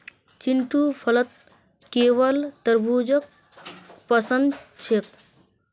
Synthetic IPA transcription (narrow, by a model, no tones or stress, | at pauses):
t͡ʃiɳʈupʰɐlət̪̚ | keːʋəlt̪ɐɾbud͡ʒək̚ | pɐsənd̪t͡ʃʰek̚